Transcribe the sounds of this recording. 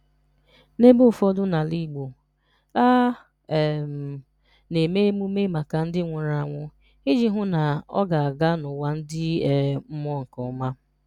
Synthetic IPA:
ne˦bo˦˨fɔ˦dʊ˦na˨li˦˨ɡ͡bo˨ | a˦˨ | m̩˨ | ne˨me˦mu˦me˦ma˨ka˨n̩˦dɪ˦ŋʷʊ˨ɾa˨ŋʷʊ˦ | ɪ˦d͡ʒi˦ɦʊ˦na˨ɔ̰˦ɡa˨a˨ɡa˦nʊ˨wa˦n̩˦dɪ˦˨m̩˦m˦ɔ˦ŋ̩˨kɔ˨ʊ˦ma˦

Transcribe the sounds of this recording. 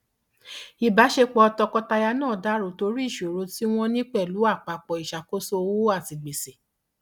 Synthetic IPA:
i˨ba˨˦ʃe˧k͡pɔ˧ɔ˧tɔ˧kɔ˦ta˧ja˧nãː˦˨da˨˦ɾo˨˦to˧˦ɾi˦i˦˨ʃo˨ɾo˧˦ti˦w̃ɔ̃˦nĩ˦k͡pɛ˦˨lu˨˦a˦˨k͡pa˨˧k͡pɔ˨i˨ʃa˨ko˦so˦˧wa˦˨ti˨ɡ͡be˨se˨

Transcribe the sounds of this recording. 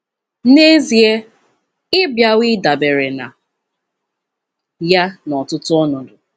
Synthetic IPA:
ne˦zi˨e˦ | ɪ˦bja˦wɪ˦da˨be˨ɾe˨na̰˨ | ja˦nɔ˨tʊ˦tʊ˦ɔ˦nʊ˨dʊ˨

